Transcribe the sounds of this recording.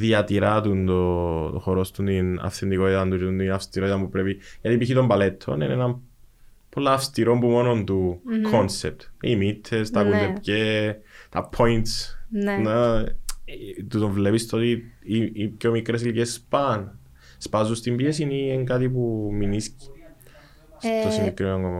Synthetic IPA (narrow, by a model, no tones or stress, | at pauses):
ðiɐt̪iɾɐt̪unt̪ooxoɾo̞st̪unt̪inɐ̰fθend̪iko̞t̪it̪ɐnt̪uɾunt̪inɐfst̪iɾo̞t̪it̪ɐmpupɾe̞pijɐt̪ipiçit̪o̞mbɐle̞t̪ʰːo̞̰nenenɐm | polːɐːfst̪iɾo̞mbumo̞no̞nt̪ukʰo̞nsep̚t̪imit̪ʰːest̪ɐkuepcet̪ɐpʰojnt̪sn | t̪ut̪o̞ɱvlepist̪ot̪i | pcomikɾesilcespɐn | spɐzust̪imbiesinieŋɡat̪ip̬uminis | st̪osinekɾinoŋɡomo